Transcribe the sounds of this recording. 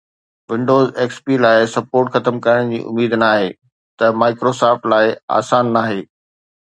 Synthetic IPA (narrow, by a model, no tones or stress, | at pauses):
ʋɪ̃ɳɖoːzeːkspiːlaːɪsɐpoːɾʈxɐt̪əmkɐɾəɽ̃d͡ʑḭːʔʊ̰miːd̪naːɦeː | t̪ɐmaːɪkɾoːsaːfʈlaːɪa̰ːsaːnːaːɦeː